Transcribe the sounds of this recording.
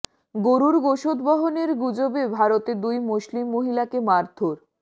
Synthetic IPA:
ɡoɾuɾɡoʃod̪bɔɦoneɾɡud͡ʑobebʱaɾot̪ed̪ujmoʃlimːoɦilakemaɾt̪ʰoɾ

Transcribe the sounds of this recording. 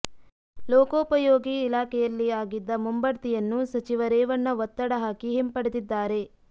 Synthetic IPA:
lɔːkoːpɐjoːɡiːlaːkʰɛjɐlːiaːɡid̪ːɐmumbɐɾt̪ijɐnːusɐt͡ʃiʋɐɾɛːʋɐnːɐʋɔt̪ːɐɽɐɦaːkiɦempɐɽed̪id̪ːaːɾe̞

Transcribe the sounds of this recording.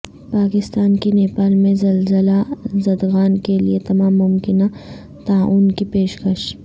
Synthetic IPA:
paːkɪst̪aːnkineːpaːlmẽzɐlzəlazɐd̪ɣaːnkelḭet̪ɐmaːmːʊmkɪna | t̪aːuːnkipeːʃkɐʃ

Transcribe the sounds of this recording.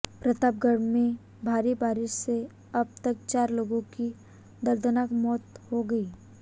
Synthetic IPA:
pɾɐt̪aːb̚ɡəɽmẽ | bʱaːɾibaːɾɪʃse | ɐb̚t̪ək̚t͡ʃaːɾloːɡõki | d̪ɐɾd̪ənakmɔːt̪hoɡɐiː

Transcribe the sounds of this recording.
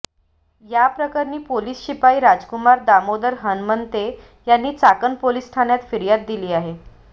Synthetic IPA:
japɾəkaɾniːpoliːsɕipaiːɾad͡zkumaɾd̪amod̪əɾɦənmənt̪e | janːiːt͡sakənpoliːsʈʰanjat̪fiɾjat̪̚d̪iliːaɦe

